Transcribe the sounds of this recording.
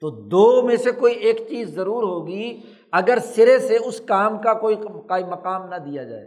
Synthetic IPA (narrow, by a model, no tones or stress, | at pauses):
t̪oːd̪oːmẽsekoːieːkt͡ʃiːzːɐɾuːɾɦoːɡi | ɐɡəɾsɪɾeseʊskaːmkakoːikaːimɐqaːmnɐd̪ijad͡ʒa̰ːḛ